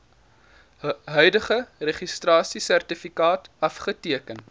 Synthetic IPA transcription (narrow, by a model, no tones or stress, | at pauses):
ɦœɥdəχəreχistrɑːsisærtifikɑːtɐfχətiəkən